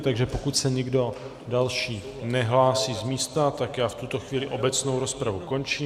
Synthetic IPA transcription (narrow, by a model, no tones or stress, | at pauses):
t̪aɡʒɛpokucsɛɲɪɡdo̞ | dalʃiː | nɛɦlaːsiːzmiːst̪at̪akjaːft̪ut̪o̞xviːlɪʔo̞bɛt͡sno̞wɾo̞spɾavuko̞nt͡ʃiːm